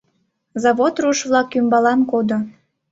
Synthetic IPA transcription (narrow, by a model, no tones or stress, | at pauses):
zɑβot̪ruʃβlɑkːymbɑlɑnkod̪o